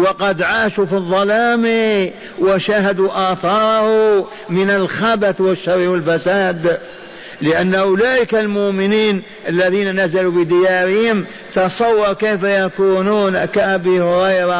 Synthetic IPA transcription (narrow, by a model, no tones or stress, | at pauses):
wɑqɑd̪ʕaːʃufiðˤːɑlaːmi | waʃaːɦad̪uʔɑːθɑːɾˤɑhʊ | mɪnalxabaθwaʃːɑɾˤːiwalfasaːd̪ | lɪʔanːʔʊlaːʔɪkalmʊʔmɪniːn | ʔalːaðiːnanazalubɪd̪ɪjaːɾɪhɪm | t̪ɑsˤɑwːɑɾˤkajfajakuːnuːnkaʔabihʊɾɑjɾˤɑ